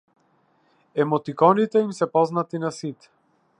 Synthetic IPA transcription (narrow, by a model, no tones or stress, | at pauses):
ɛmɔt̪ikɔnit̪ɛimsɛpɔznat̪inasit̪